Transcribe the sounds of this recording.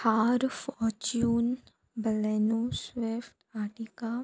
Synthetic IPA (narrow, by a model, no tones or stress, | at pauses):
haːɾfɔɾt͡ʃuːn | bəlenuswefʈaːʈika